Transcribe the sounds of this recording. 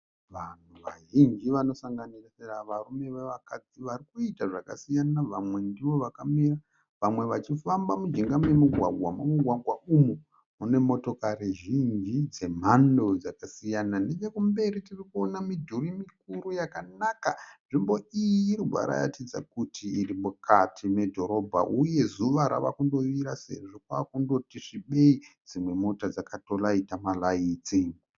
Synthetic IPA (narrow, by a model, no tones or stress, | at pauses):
ʋan̤uʋaʒind͡ʒiʋano̞saŋɡanirseraʋarume̞ʋeʋakad͡ziʋarikuitaʐaka̰sijanaʋamwe̞ndiʋo̞ʋakamira | ʋamwe̞ʋat͡ʃifambamud͡ʒiŋɡamujemuɡʱwa̰ɡʱwa̰mumuɡʱwaɡʱwaumu | mune̞mo̞to̞kaɾiʒind͡ʒid͡ze̞m̤ando̞d͡zakasijananed͡ʒekumbe̞ɾitirikuonamidʱurimik̚uɾujakanakaʐimbo̞iiːɾubʱa̰ɾa̰ja̰tid͡za̰kutʰiːrimukatʰime̞dʱo̞ɾo̞bʱa̰ʔuje̞zuʋaɾa̰ʋa̰kundo̞ʋiɾase̞̰ʐokwakundo̞tiʂiɓe̞id͡zimwe̞mo̞tad͡zakato̞laitamalajit͡siŋɡu